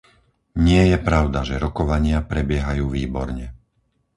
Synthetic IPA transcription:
ɲɪɛjɛpɾaʊd̪aʒɛɾɔkɔʋaɲɪapɾɛbɪɛɦajuːʋiːbɔ̰ɾɲɛ

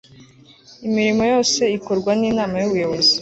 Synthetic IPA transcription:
imiɾimo̞jo̞ːse̞iko̞ɾɡwaniːnaːmajuβujo̞βo̞zi

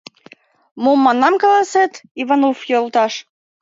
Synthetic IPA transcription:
momːɑnːɑmkɑlˠɑset̪ivɑnofjolˠt̪ɑʃ

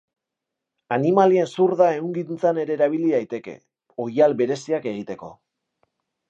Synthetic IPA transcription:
animalie̞nsuɾðae̞uŋɡiðint͡sane̞ɾe̞ːɾaβ̞iliðajt̪e̞ke̞̰ | o̞jalbe̞ɾe̞siake̞ɣ̞it̪eko̞

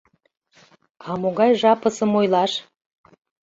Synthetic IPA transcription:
ɑmoɣɑjʒɑpəsəmojlˠɑʃ

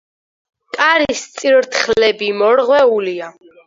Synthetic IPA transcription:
kʼaɾist̪sʼiɾɾt̪ʰχlɛbimɔɾʁwɛulia

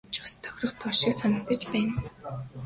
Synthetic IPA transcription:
t͡ɕʊ̥st̪ʰːœ̥xʲrə̆χt̪ʰʊʃiːksanə̆k̚t̪ə̆t͡ɕpæːn

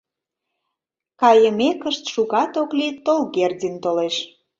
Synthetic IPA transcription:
kɑjəmekəʃt̪ʃuɣɑt̪oklit̪ːolɣerdʲint̪oleʃ

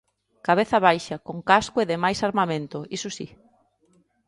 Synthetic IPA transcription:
kaβ̞eθɐβ̞ajʃɐkoŋkaskʊeðɪmajsaɾmamẽnt̪ʊisʊsi

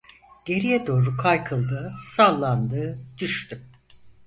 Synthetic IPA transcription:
ɟ̥e̞ɾijɛd̪o̞ːɾukʰajkʰɯlˠd̪ɯːsalˠːand̪ɯːd̪̥yʃt̪y

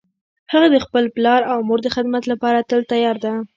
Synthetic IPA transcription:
haɣad̪əxpəlplɑɾawmoɾd̪əxɪd̪mat̪lapɑɾat̪əlt̪ajɑɾd̪a

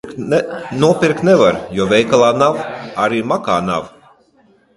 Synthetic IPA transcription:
nuɔpʲiɾkt̪ʲnɛvaɾjɔɔvʲɛjkalˠaːnawaɾiːmakaːna̰w

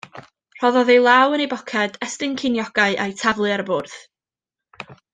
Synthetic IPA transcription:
r̥ɔðɔðejlˠawənejbɔkʰɛd̥ɛstɨŋkʰɪnjɔɡ̥aɨʔajtʰavlˠɨaɾəbʊːrθ

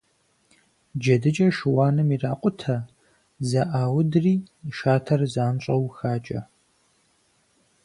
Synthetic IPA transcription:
d͡ʒɐdɨt͡ʃʼɐʃɨwaːnɨmiraːqʷʼʊtʰɐ | zɐʔaːwʊdriː | ʃaːtʰɐrzaːnɕʼɐwxaːt͡ʃʼɐ̰

